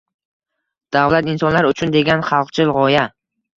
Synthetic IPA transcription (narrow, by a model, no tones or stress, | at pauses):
d̪̥avlat̪ɪnsɒnlaɾʊt͡ʃʰʊnd̪e̞ɡʲanχɑlˠqt͡ʃʰɪlʁɒja